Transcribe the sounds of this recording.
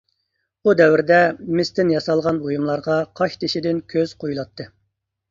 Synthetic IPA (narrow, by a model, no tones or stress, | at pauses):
ud̪ɛwɾd̪ɛmɪst̪ɪnjɑsɑlˠʁɑnbojumlˠɑɾʁɑqʰɑʃt̪ʰeʃid̪ɪnkʲʰøz̥qʰojulˠɑt̪ʰːɨ